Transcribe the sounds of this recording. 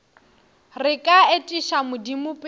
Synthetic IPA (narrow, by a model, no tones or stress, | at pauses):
rɪkʼaetʼiʃamʊdimʊpʼ